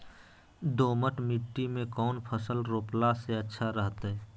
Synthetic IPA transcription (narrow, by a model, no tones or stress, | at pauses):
d̪oːməʈmiʈːimẽkɔːnpʰəsəlɾoːplaseətːʃʰaɾəɦt̪ɦɛː